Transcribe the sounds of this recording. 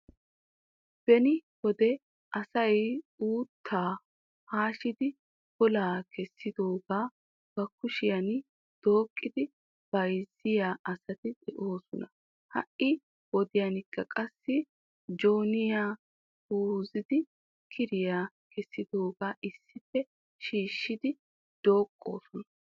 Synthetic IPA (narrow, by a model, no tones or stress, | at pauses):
b̥ɛnɪwɔd̪ɛ | ʔɐsɐjuːt̪ʰːaː | haːʃɪd̪ɪ | b̥ɔlaːkʰɛsːɪd̪o̞ːɡaː | b̥ɐkːʊʃɪjɐn | d̪̥o̞ːkʼːɪd̪ɪ | b̥ɐjzːɪjaːʔɐsɐt̪ɪd̪ɛʔo̞ːsɔnɐ | hɐ̰ʔɪ | wɔd̪ɪjanɪkːɐkʼɐsːɪ | d͡ʒo̞ːnɪjaː | huːzɪd̪ɪ | kʰɪɾɪjaː | kʰɛsːɪd̪o̞ːɡaːʔɪsːɪfːɛ | ʃiːʃːɪd̪ɪ | d̪̥o̞ːkʼːo̞̰ːsɔnɐ̥